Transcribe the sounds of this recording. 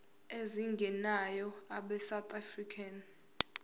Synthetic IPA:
eziŋɡʱɛnajɔaɓɛsawt̪ʰʼafrikʰan

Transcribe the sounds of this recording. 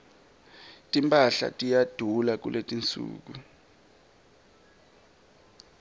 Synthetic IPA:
tʼimpʼaɬa̰tʼijad̥ʱulak̬ṵlʔetʼint͡sʼṵːk̬u

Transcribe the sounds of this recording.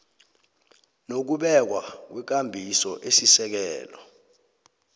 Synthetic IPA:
nok̬uɓɛk̬wak̬wɛk̬ambʱisɔʔesisɛk̬ɛːlɔ

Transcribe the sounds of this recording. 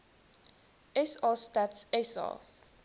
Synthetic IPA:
ɛsɑstatsɛsɑ̰

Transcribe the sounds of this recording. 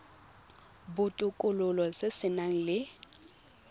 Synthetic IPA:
bʊtʼʊkʼʊlʊlɔsesɪnaŋ̩lɪ

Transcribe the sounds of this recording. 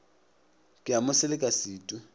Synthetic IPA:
kʼɪamʊsɪlɪkʼasiːtʼʊ

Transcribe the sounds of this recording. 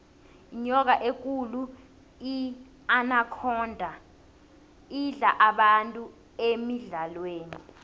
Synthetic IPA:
iɲɔk̬aʔek̬ulu | i | anakʰɔːndʱa | iɮaʔaɓantʼu | emiɮalweːni

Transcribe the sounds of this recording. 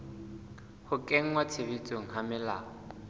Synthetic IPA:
hʊkʼeŋ̩wat͡sʰeβit͡sʼoŋ̩ɦamɪla̰ːɔ

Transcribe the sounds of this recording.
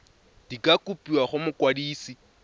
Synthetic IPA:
d̥ikʼakʼupʼiwaχʊmʊkwadiːsi

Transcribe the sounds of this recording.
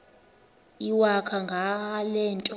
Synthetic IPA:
iwakʰaŋɡʱalɛːntʼɔ

